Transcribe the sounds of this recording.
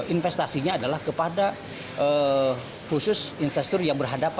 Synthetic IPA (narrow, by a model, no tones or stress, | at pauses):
ʔinfɛst̪asiɲaːdalahkəpada | ə | kusʊsinfɛst̪ɔrjaŋbərɦadapa